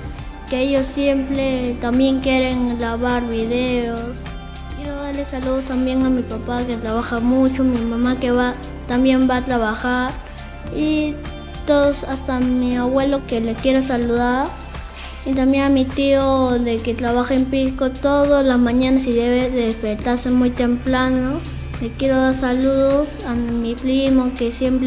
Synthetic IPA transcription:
keejosːjempɾet̪ambjeŋkjeɾeŋlaβaɾβiðeos | keðoðaɾlesaluðost̪ambjeŋamipapaket̪ɾaβaxamut͡ʃomimamakeβa | t̪ambjembaːt̪ɾaβaxaɾ | i | t̪oðosast̪amiaβwelokelekjeɾos̬aluðaɾ | it̪̬amjeŋamit̪ioðeket̪ɾaβaxeempiskot̪oðolasmaɲanasiðeβeðeðespeɾt̪aɾsemujt̪emplano | lekjeɾoðaɾsaluðosamipɾimokesjempɾ

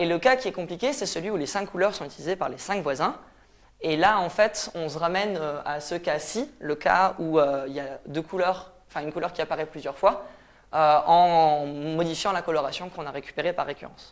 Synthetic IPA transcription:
eləkakʲiɛkɔ̃plikʲesɛsəlɥiulesɛ̃kkːulœʁsɔ̃yt̪ilizepaʁlesɛ̃kvwazɛ̃ | elaɑ̃fɛt̪ɔ̃s̬əʁamɛnøa̰səkasiləka̰uøiljad̪økʰulœʁɑ̃fɛ̃ynkulœʁkʲiapaʁɛplyzjœʁfwa | øɑ̃mɔd̪ifjɑ̃lakɔlɔʁasjɔ̃kɔ̃naʁekʲy̥peʁepa̰ʁːekʲy̰ʁɑ̰̃s

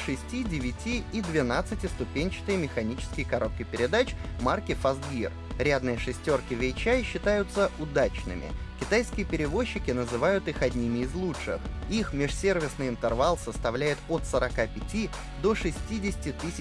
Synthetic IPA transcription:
ʂɨsʲtʲidʲɪvʲɪtʲiːd̪vʲɪnat̪sɨtʲɪst̪ʊpʲenʲt͡ɕɪ̥t̪ɨjəmʲɪxɐnʲit͡ɕɪ̥skʲɪjkɐɾo̞t̪kʲəjpʲɪɾʲɪd̪at͡ɕmarkʲɪfɐzɡʲir | ɾʲad̪nɨjəʂɨsʲtʲo̞rkʲɪvʲɪt͡ɕajɕːɪt̪ajʊt̪səʔʊd̪at͡ɕnɨ̰mʲɪ̰kʲɪt̪ajskʲɪjəpʲɪɾʲɪvo̞ɕːɪkʲɪnəzɨvajʊt̪ixɐdʲnʲimʲɪɪzlˠutʂɨ̰xixmʲɪʂsʲe̞rvʲɪsnɨjɪnt̪ɨrvalˠsəst̪ɐvlʲæjɪt̪ot̪səɾɐkapʲɪtʲi | d̪o̞ʂɨsʲtʲidʲɪsʲɪ̥tʲɪt̪ɨsʲɪ

